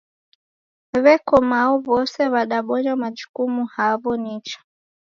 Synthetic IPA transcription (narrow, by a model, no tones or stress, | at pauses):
βɛkɔmaɔβɔsɛβaɗaɓɔɲamad͡ʒukumuhaβɔnit͡ʃḁ